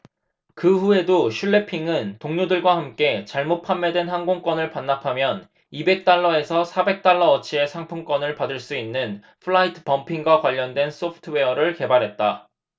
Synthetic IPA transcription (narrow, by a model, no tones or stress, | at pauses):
kɯɸue̞doɕʰuɭːe̞pʰiŋɯntoŋɲodɯɭɡwahamk͈e̞t͡ɕaɭmot̚pʰamːedwe̞nhaŋɡoŋk͈wʌnɯɭpanːapʰamjʌn | ibe̞k̚t͈aɭːʌe̞sʰʌsʰabe̞k̚t͈aɭːʌʌt͡ɕʰie̞sʰaŋpʰuŋk͈wʌnɯɭpadɯɭs͈uinːɯn | pʰɯɭaitʰɯ̥pʌmpʰiŋɡwakwaʎːʌndwe̞nsʰopʰɯ̥tʰɯwe̞ʌɾɯɭke̞baɾɦe̞t̚t͈a